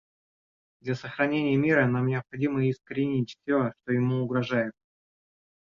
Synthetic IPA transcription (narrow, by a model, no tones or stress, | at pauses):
d̪lʲɐsəxɾɐnʲenʲɪjəmʲiɾənamnʲɪɐpxɐdʲiməɪskəɾʲɪnʲitʲfʲsʲoʂt̪o̞jɪmuʊɡɾɐʐajɪt̪̚